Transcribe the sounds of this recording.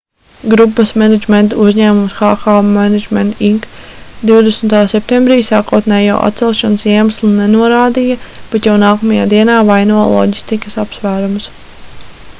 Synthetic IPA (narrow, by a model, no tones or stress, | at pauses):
ɡɾupːɐsmɛned͡ʒment̪auzʲɲæːmumsxaːxaːmæned͡ʒment̪ʰiŋkd̪iwd̪esnt̪aːsɛp̚t̪embɾiːsaːkuɔt̪nɛːjawʔa̰t̪sɛlˠʃɔnsiɛmaslˠunenuɔɾaːd̪ijɐb̥ɛt̪jawnaːkɔmɐja̰ːd̪iɛnaːvajnuɔ̰lˠɔ̰ɟist̪ikəsapsʋæːɾums